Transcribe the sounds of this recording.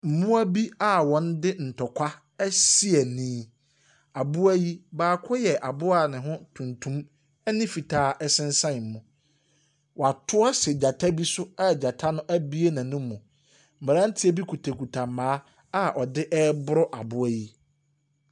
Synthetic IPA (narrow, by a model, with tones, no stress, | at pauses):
m̩˨mʊ̃˦æ˦bi˦a˦wɔ̃˨n̩˦dɪ˦n̩˨tʰɔ˨kʰʷa˦ | ɛ˦si˦ɛ˨nĩː˦ | a˨bʊ˦æ˦ji˦baː˨kʰɔ˦jɛ˨ʔa˨bʊ˦a˨nɪ̃˨ɦʊ̃˦tʰũ˨ntʰũ˦m | ɛ˦nɪ̃˦fi˨tʰaː˦ʔɛ˦sɪ̃˦n̩˦sã˦˨m̩˨mũ˨ | wɔ˨a˨tʰʊ˦ɔ˦sɪ˨d͡ʑa˨tʰa˦bi˦sʊ˦a˦˨d͡ʑa˨tʰa˦nʊ̃˦ʔæ˦bi˦e˦nã˨nʊ̃˦mːũ˨ | m̩˨m˨ɾã˦n̩˦tʰɪ˦ɛ˨bi˦kʰu˨tʰa˨kʰu˨tʰa˨ãː˦ | a˦ʔɔ˨dɪ˦ʔɛ˦bʊ˦ɾɔ˦ʔa˨bʊ˦æ˦ji˦